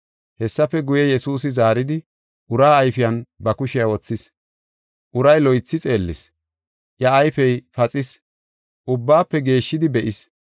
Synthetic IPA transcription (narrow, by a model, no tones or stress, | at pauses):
hɛsːɐfɛɡʊjɛjɛsuːsɪzaːɾɪd̪ɪ | ʔʊɾaːɐjfɪjɐnbɐkʊʃɪjawɔt͡sːɪs | ʔʊɾɐjlɔjt͡sːɪt͡sʼeːlːɪs | ʔjɐːjfɛjfɐt͡sʼɪs | ʔʊbːaːpːɛɡe̞ːʃːɪd̪ɪbɛʔɪs